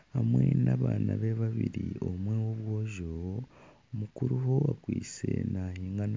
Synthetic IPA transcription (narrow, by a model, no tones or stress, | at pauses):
hamwe̞naβaːnaβeβaβiɾio̞mwewoβwo̞ːʒo | mukuɾuɦo̞akwiːt͡senahiːŋɡan